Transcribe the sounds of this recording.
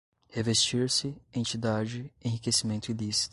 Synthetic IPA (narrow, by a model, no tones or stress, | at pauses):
hevest͡ʃiɾsɪẽnt͡ʃid̪ad͡ʒɪẽhɦikesimẽnt̪ʊilisi̥t̪